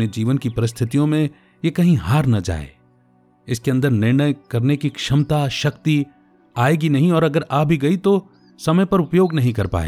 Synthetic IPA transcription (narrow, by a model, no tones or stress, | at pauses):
ned͡ʒiːʋənkipɐɾɪst̪ʰɪt̪ijõmẽ | jekɐɦĩɦaːɾnɐd͡ʒa̰ːḛ | ɪskeɐ̃nd̪əɾnɪɾɳ̃əjkɐɾnekikʃɐmt̪aʃɐkt̪i | aːeːɡinɐɦĩɔːɾɐɡəɾaːbʱiɡɐit̪o | sɐməjpɐɾʊpjoːɡnɐɦĩkɐɾpa̰ːḛː